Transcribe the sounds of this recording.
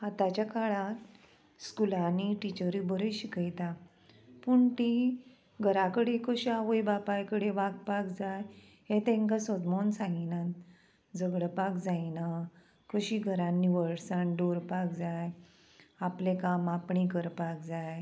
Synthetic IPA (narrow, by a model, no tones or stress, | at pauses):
at̪at͡ɕjakaɭãt̪ | skulãniʈit͡ɕəɾibəɾəjɕikəjt̪a | puɳʈ̪i | ɡʱəɾakəɽekəɕiaʋəjbapajkəɽeʋaɡpakd͡zaj | ɦet̪ẽŋkasɔd̪monsãŋɡinãt̪ | d͡zəɡɽəpakd͡zajna | kəɕiɡʱəɾãnːiʋəɭɽsaɳɖoɾpakd͡zaj | aplẽkamapɳĩkəɾpakd͡zaj